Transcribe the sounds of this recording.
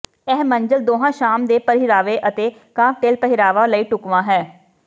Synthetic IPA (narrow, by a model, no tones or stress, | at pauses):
ɛːɦməɲd͡ʒəld̪oːɦãːʃaːmd̪eːpəɾɦiɾaːʋeːʔət̪eː | kãːp̚ʈeːlpəɦɪɾaːʋaːləiːʈʊkʋãːɦɛː